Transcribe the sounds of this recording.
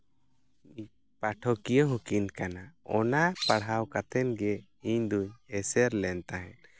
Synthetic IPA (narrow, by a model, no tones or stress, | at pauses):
i | paʈʰɔkijəɦũkinkanaɔnapaɽɦawkat̪ɛnɡɛ | iɲd̪uɲɛsɛɾlɛnt̪aɦɛ̃n